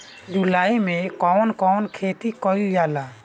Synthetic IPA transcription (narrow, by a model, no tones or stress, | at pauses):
d͡ʒulaːimẽkɔwnkɔːnkʰet̪ikɔjujala